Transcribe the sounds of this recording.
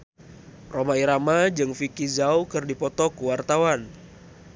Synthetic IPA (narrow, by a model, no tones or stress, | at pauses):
romaiɾamad͡ʒɨŋfikizawkɨrdipɔt̪ɔkuwart̪awan